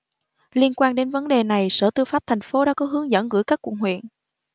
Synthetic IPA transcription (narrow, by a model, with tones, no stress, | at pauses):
li˧ənkwaː˧nɗe˨˦nvə˨˦nɗe˨˩na˨˩jsəː˧˩t̪ɨ˧wfaː˦˥p̚t̪ʰa˨˩jŋ̟fo˨˦ɗa̰ː˧˥kɔ˨˦ɦɨ˨˦əŋzə̰˧˥nɣɨ̰˧˥jkaː˦˥kːw̰ŋ̚hwḭ˧˨ən